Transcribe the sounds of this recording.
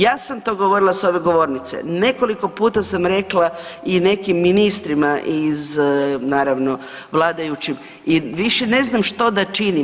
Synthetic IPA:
jaːsamt̪o̞ɡo̞ʋo̞ɾilaso̞ʋe̞ɡo̞ʋo̞ɾnit̪se̞̰ne̞ko̞liko̞puːt̪asamɾe̞klˠaine̞kimːinist̪ɾimaʔiznaːɾaʋno̞ | ʋlˠaːd̪ajut͡ɕim | iʋiʃe̞ne̞znamʃt̪o̞d̪at͡ʃini

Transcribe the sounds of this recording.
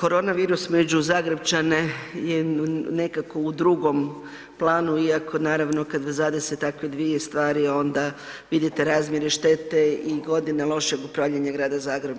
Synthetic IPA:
ko̞ɾo̞ːnaʋiːɾusmed͡ʑuzaːɡɾebt͡ʃanejene̞kako̞ud̪ɾuɡo̞m | plˠaːnuiako̞naːɾaʋno̞kad̪ʋzad̪eset̪akʋed̪ʋiest̪ʋaːɾio̞nd̪a | ʋid̪it̪e̞ɾaːzmjeɾeʃt̪e̞t̪e̞iɡo̞d̪inalˠo̞ʃeɡupɾaʋʎeɲaɡɾaːd̪azaːɡɾeb

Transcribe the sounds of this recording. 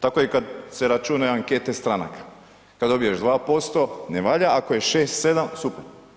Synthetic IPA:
t̪akoikad̪se̞ɾat͡ʃunajaŋke̞t̪e̞st̪ɾana̰kḁ | kad̪o̞bijeʒd̪ʋaːpo̞st̪o̞neʋaːʎaako̞jeʃe̞ːst̪se̞d̪amsupeɾ

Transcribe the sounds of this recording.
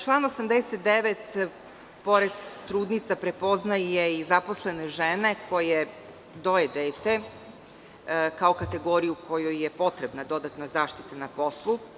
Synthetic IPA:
t͡ʃlˠaːno̞samd̪eset̪̚d̪eʋet̪ | po̞ɾe̞d̪t̪ɾuːd̪nit̪sapɾe̞po̞znajjeizaposle̞neʒene̞kʰo̞je | d̪o̞jed̪eːt̪e̞ | kaokat̪e̞ɡo̞ːɾijukʰo̞jojjepo̞t̪ɾe̞bnad̪o̞d̪at̪nazaːʃt̪i̥t̪enapo̞slˠu

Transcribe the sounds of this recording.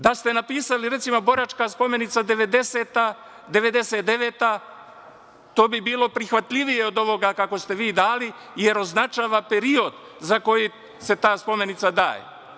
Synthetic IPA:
d̪ast̪e̞napiːsaliɾet̪simobo̞ɾat͡ʃkaspo̞me̞nit̪sad̪eʋed̪eset̪a | d̪e̞ʋe̞d̪e̞set̪̚d̪e̞ʋeːt̪a | t̪o̞ːbibiːlo̞pɾixʋat̪lʎʲiʋije̞o̞d̪o̞ʋo̞ɡakako̞st̪e̞ʋiːd̪aːli | je̞ɾo̞znat͡ʃaːʋape̞ɾio̞d̪ | zako̞ji | se̞t̪aːspo̞me̞nit̪sad̪a̰ːjḛ

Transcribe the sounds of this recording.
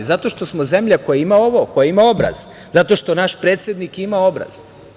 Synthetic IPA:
zat̪o̞ʃt̪o̞smoze̞mʎakojaimaoʋokojaimao̞bɾa̰z̥ | zat̪o̞ʃt̪o̞naʃpɾe̞ːt̪sjed̪nikimao̞bɾa̰z̥

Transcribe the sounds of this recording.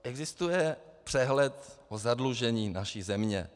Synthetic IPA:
ʔɛɡzɪst̪ujɛpr̝̥ɛɦlɛt̪ʔozadluʒɛɲiːnaʃizɛmɲɛ̰

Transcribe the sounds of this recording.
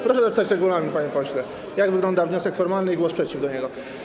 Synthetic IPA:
pɾɔʂɛd̪ɔst̪at͡ɕɾɛɡulaɾmʲipaɲɛpɔɕlɛ | jaɡvɘɡlɔnd̪avɲɔsɛkfɔɾmalnɘiɡwɔspʂɛt͡ɕivd̪ɔɲɛɡɔ

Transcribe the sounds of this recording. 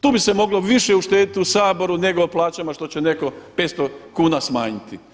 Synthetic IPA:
t̪uːbisemo̞ɡlo̞ʋiʃeuʃt̪eːd̪it̪usaːbo̞ɾune̞ɡoːplˠaːt͡ʃamaʃt̪o̞t͡ɕe̞ne̞ko̞pe̞ːt̪st̪okuːnasmaːɲit̪i

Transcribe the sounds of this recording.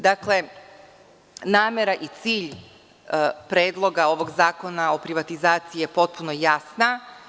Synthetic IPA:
d̪akle̞ | naːmeɾaʔit̪siːʎ | pɾeːd̪lˠo̞ɡao̞ʋo̞ɡzaːko̞nao̞pɾiʋat̪izaːt̪siijepo̞t̪̚punojasna

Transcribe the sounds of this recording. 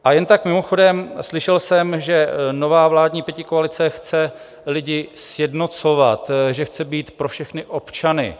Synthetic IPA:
ʔajɛnt̪akmɪmo̞xo̞dɛmslɪʃɛlsɛmʒɛno̞vaːvlaːdɲiːpjɛcɪkoalɪt͡sɛxt͡sɛ | lɪɟɪsjɛdno̞t͡so̞vat̪ʒɛxt͡sɛbiːt̪pɾofʃɛxnɪʔo̞pt͡ʃanɪ̰

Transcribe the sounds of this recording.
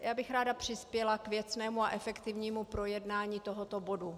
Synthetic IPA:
jaːbɪxɾaːdapr̝̥ɪspjɛlakvjɛt͡snɛːmuaʔɛfɛkt̪ɪvɲiːmupɾo̞jɛdnaːɲiːt̪oɦot̪obo̞du

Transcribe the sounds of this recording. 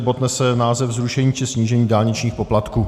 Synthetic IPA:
bot̪nɛsɛnaːzɛvzɾuʃɛɲiːt͡ʃɪsɲiːʒɛɲiːdaːlɲɪt͡ʃɲiːxpo̞plat̪kuː

